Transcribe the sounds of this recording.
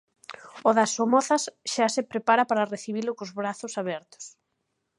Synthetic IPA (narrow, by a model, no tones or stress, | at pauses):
oðɐsomɔθɐsʃasepɾepaɾɐpaɾɐreθiβ̞ilʊkʊzβɾaθʊsaβɛɾt̪ʊ̥s